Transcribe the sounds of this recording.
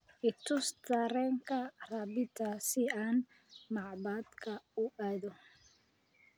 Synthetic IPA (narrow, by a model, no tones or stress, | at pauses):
ʔɪt̪ʰʊst̪ʰɐɾɛːŋkʰɐrabɪt̪ʰasɪaːn | mɑʕbaːd̪kʰɐʊʔaːðɔ